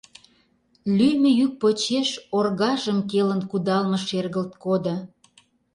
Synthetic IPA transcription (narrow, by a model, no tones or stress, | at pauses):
lyjməjyk̚pot͡ɕeʃorɣɑʒəmkelə̆nkud̪ɑlmə̆ʃerɣəlt̪kod̪ə̆